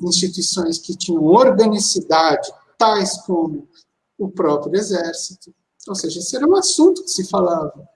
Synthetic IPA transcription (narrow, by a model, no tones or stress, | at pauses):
ĩst͡ʃit̪uisõj̃skɪt͡ʃĩɲɐ̃w̃oɾɡɐnisid̪ad͡ʒɪ | t̪ajskõmʊ | ʊpɾɔpɾjʊezɛɾsit̪ʊ | owseʒɐesɛɾɐũasũnt̪ʊ̥kɪ̥sɪfalavɐ